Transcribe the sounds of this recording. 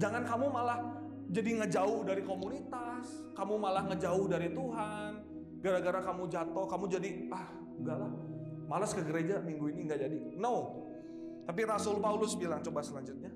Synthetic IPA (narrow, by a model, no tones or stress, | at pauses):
d͡ʒaŋankamumalah | d͡ʒadiŋəd͡ʒaʊhdaɾikomunit̪as | kamumalahŋəd͡ʒaʊhdaɾit̪uɦan | ɡaɾaɡaɾakamud͡ʒat̪ɔhkamud͡ʒadiah | uŋɡalah | malaskəɡəɾed͡ʒamiŋɡuiniŋɡad͡ʒadinəw | t̪ap̬iɾasʊlpaulʊsbilaŋt͡ʃobasəlaɲd͡ʒʊt̪̚ɲa